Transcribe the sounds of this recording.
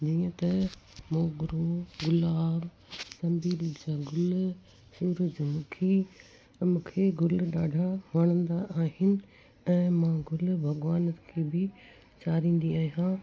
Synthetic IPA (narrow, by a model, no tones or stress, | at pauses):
d͡ʑiːə̃t̪ɐmoːɡʊɾoɡʊlaːb | sɐ̃mbiːld͡ʑaːɡʊl | suːɾəd͡ʑmʊ̃kʰi | mũːkʰeɡʊlɗaːɖʱamaːɽ̃ə̃nd̪aʔaːɦɪnɪ̆ | ɛ̃ːmãːɡʊlbʱɐɡʋaːnət̪kʰeːbɪ | t͡ɕaːɾĩːn̆d̪iaːɦijãː